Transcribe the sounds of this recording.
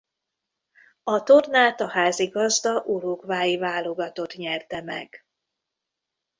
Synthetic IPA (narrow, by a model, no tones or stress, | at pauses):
ɒt̪o̞rnaːt̪ɒhaːziɡɒzd̪ɒʔuɾoːkvaːjivaːlo̞ɡɒt̪o̞t̪ɲɛrt̪ɛmɛ̰ɡ̥